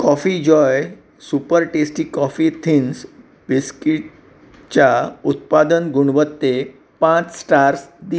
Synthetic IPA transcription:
kɔfid͡ʑɔj | supəɾʈesʈiːkɔfit̪ʰins | ʋiskiʈ | t͡ɕaut̪̚pad̪ənɡuɽ̃ʋət̪ːe | pãt͡ssʈaɾsd̪i

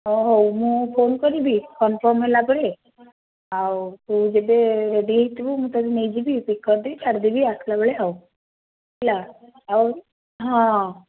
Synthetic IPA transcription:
ɦɔɦɔwmũpʰonkɔɾibʱikɔnfɔɾmɦelapəɽe | ɦawt̪ud͡ʒebeɾeɖiit̪bumũt̪aɾined͡ʒibʱipikːɔɾd̪it͡ʃaɽd̪ibʱiakʰlabəɭeau | la | a | ɦã

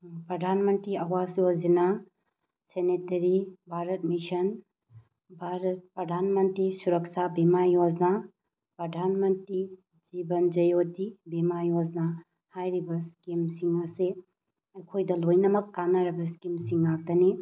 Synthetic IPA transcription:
pɾɐdʱanmɐntɾiawazjod͡ʒena | senetɐɾibʱaɾɐt̚misɐn | bʱaɾɐt̚pɾɐdʱanmɐntɾisuɾɐksabimajod͡ʒna | pɾɐdʱanmɐntɾi | d͡ʒibɐnd͡ʒɐjodibimajod͡ʒna | hajɾibɐskimsiŋɐse | ɐjkʰojdɐlojnɐmɐkːanaɾɐbɐskimsiŋak̚dɐni

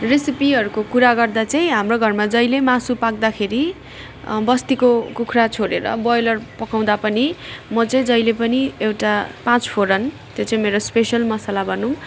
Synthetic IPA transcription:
resipiɦʌɾukokuɾaɡʌrd̪at͡saĩɦamroɡʱʌrmad͡zʌjlemasupak̚d̪akʰeɾi | bʌst̪ikokukʰrat͡sʰoɽeɾʌ̰bʌjlʌrpʌkaw̃d̪apʌnimʌt͡sʌĩd͡zʌjlepʌniewʈapãt͡spʰoɾʌn | t̪jot͡saĩmeɾospesʌlmʌsalabʱʌnũ

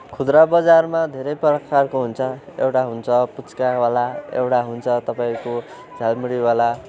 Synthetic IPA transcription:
kʰud̪ɾabʌd͡zarmad̪ʱeɾʌjpʌrʌkːarkoɦunt͡sʰʌewʈaɦunt͡sʰʌput͡skawalaḛwʈaɦunt͡sʰʌt̪ʌpaĩko | d͡zʱalmiɽiwala

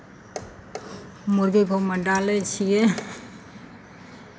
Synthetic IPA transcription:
muɾɡiɡʱomɐɖaːlet͡ʃʰije

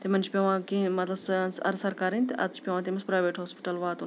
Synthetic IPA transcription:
t̪emɐnt͡ʃʰpʲeʋãːkĩmɐt̪lɐbsɨnsɐɾsɐɾkaːɾɐnʲt̪ʔɐt̪t͡ʃʰpʲeʋãːt̪̬imɐspɾaːjʋeːʈɦoːspi̥ʈɐlʋaːt̪u

